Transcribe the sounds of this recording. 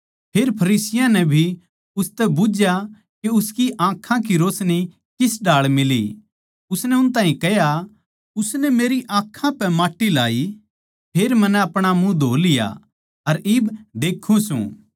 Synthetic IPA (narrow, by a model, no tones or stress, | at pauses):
pʰeːɾpʰɐɾiːsɪjãnɛbʱi | ʊst̪ɛbʊd͡ʒja | keʊskiʔãːkʰːãk̬iɾoːsni | kɪsɖaːɭmɪlḭ | ʊsnɛʊnt̪̬aːɦĩkɛja | ʊsnɛmeːɾiʔãːkʰãpɛmaːʈːila̰ːi | pʰeːɾmɐnɛɐpɽ̃amũd̪ʱoːlɪja̰ | ɐɾɪbd̪eːkʰːũsṵ̃